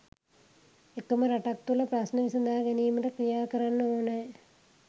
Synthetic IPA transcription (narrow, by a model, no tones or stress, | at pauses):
ekːɐmɐɾɐʈɐk̚t̪ulɐpɾasnɐʋisɐnd̪ʱaːɡɐnijumɐʈɐkɾijaːkɐɾanːɐoːne